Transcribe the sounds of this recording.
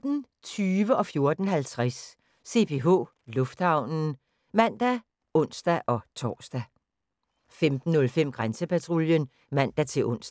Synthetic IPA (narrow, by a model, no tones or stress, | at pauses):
d̥n̩ | t͡sʰyːʋəʔɒ̽fjo̝ɐd̥n̩ɦælt͡sʰʁasː | e̝pʰe̝ɦo̝̰ː | lɔ̽fd̥hɑ̈ʊ̰nn̩ | mæn̰d̥æ | ɔ̽n̰sd̥æʔɒ̽t͡sʰɒ̰ːsd̥æ | femd̥n̩ːɔ̽lfem̰ɡ̥ʁansəpæt͡sʰʁoljən | mæn̰d̥æt͡sʰe̝lʔɔ̽n̰sd̥